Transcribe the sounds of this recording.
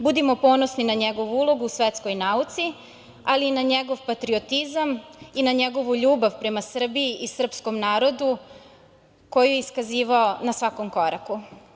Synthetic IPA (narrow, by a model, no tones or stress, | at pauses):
bud̪imo̞po̞ːno̞sninaɲeɡo̞ʋuulˠo̞ɡuːsʋet̪sko̞jnaut̪si | aliːnaɲeɡo̞ʋpat̪ɾio̞t̪izaminaɲe̞ɡo̞ʋuʎuːbaʋpɾe̞masr̩biiʔisr̩psko̞mnaːɾo̞d̪u | ko̞jijeiskaziːʋaonasʋako̞mko̞ɾa̰ku